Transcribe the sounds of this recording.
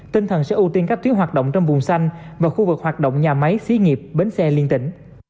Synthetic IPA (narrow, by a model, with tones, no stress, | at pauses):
t̪ï˧ŋ̟t̪ʰə˨˩nsɛ̰˧˥ʔu˧t̪i˧nkaː˦˥k̚t̪wənɦaː˨˩t̚ɗo̰˧˨wŋ͡mt͡ɕɔ˧wŋ͡mvʊ˨˩ŋ͡msa˧jŋ̟vaː˨˩xu˧vɨ˨˩k̚hwaː˨˩t̚ɗo̰˧˨wŋ͡mɲaː˨˩ma˨˦jsi˨˧˦ŋi˨˩əp̚ɓe˨˦nsɛ˧li˧ənt̪ï˧˩ŋ̟